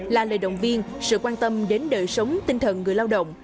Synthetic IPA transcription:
laː˨˩ləː˨˩jɗə̰˧˨wŋ͡mvi˧ən | sɨ̰˧˨kwaː˧nt̪ə˧mɗe˨˦nɗəː˨˩jsə˨˦wŋ͡mt̪ï˧ŋt̪ʰə˨˩nŋɨ˨˩əjlaː˧wɗə̰˧˨wŋ͡m

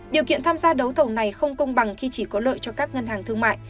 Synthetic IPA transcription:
ɗi˨˩əkḭ˧˨ənt̪ʰaː˧mzaː˧ɗə˨˦wt̪ʰə˧˩wna˨˩jxə˧wŋ͡mkə˧wŋ͡mɓa˨˩ŋxi˧t͡ɕi˧˩kɔ˨˦lə̰ː˧˨jt͡ɕɔ˧kaː˦˥k̚ŋə˧nɦaː˨˩ŋt̪ɨ˧əŋma̰ː˧˨j

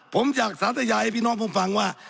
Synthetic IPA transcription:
po˨˦mt͡ɕa˨˩k̚saː˨˦t̪a˨jaː˧˨e˧˦pi˧˦˨nɔ˥˨bo˧˨mpa˨˦ŋwaː˧˨

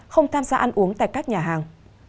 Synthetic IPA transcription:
xə˧wŋ͡mt̪ʰaː˧mzaː˧ʔa˧jn̟ʔu˨˦əŋt̪a̰ː˧˨jkaː˦˥k̚ɲaː˨˩ɦaː˨˩ŋ

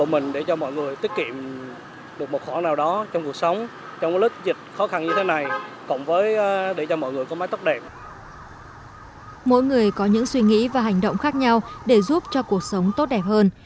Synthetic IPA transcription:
o̰˧˨mï˨˩ŋ̟ɗe˧˩t͡ɕɔ˧mɔ̰˧˨jŋɨ˨˩əjt̪i˦˥ət̚ki˧˨əm | ɗɨ˨˩ək̚mo˨˩t̚xɔ˧˩˦naː˨˩wɗɔ˨˦t͡ɕɔ˧wŋ͡mku˨˩ək̚sə˨˦wŋ͡m | t͡ɕɔ˧wŋ͡mlɨ˦˥k̚zi˨˩t̚xɔ˨˦xa˧nɲɨ˧t̪ʰe˨˦na˨˩jkʊ̰˧˩˨ŋ͡mvəː˨˦jɗe˧˩t͡ɕɔ˧mɔ̰˧˨jŋɨ˨˩əjkɔ˨˦mː˨˦t̪ə˦˥t̚ɗɛ˨˩p̚ | mo̰˧˥jŋɨ˨˩əjkɔ˨˦ɲɨ̰˧˥ŋswi˧ŋḭ˧˥vaː˨˩ɦa˨˩jŋ̟ɗo̰˧˨wŋ͡mxaː˦˥k̚ɲa˧wɗe˧˩zu˦˥p̚t͡ɕɔ˧ku˨˩ək̚sə˨˦wŋ͡mt̪o˦˥t̚ɗɛ˨˩p̚həː˧n

